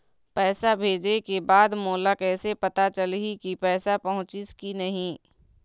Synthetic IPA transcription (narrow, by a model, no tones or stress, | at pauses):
pɛːsabʱeːd͡ʒekebaːd̪moːlakɛːsepɐt̪at͡ʃəlɦikipɛːsapɐɦʊ̃t͡ʃiskinɐɦĩː